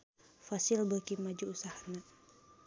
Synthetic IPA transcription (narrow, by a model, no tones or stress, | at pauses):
fasilbəkimad͡ʒuːsahana